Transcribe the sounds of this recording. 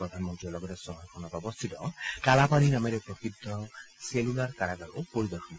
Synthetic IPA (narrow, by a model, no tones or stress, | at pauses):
ɹɔd̪ʱanmɔntɹiɔɹlɔɡɔtɛsɔɦɔjkʰɔnɔtɔbɔst̪ʰitɔkalapaninamɛɾɛpɹɔkidːɔselulaɹkaɾaɡaɹopoɹid̪ɔɹxɔn